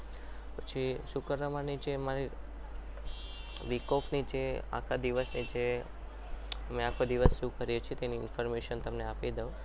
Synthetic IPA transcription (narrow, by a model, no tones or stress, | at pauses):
pət͡ʃʰiʃũkəɾʋamanid͡ʒʰemaɾi | ʋikɔfnid͡ʒea̰kʰad̪iʋəsnid͡ʒe | əmẽakʰod̪iʋəsːũkəɾjet͡ʃʰit̪eniːnfɔɾmeʃənt̪əmneapid̪əũ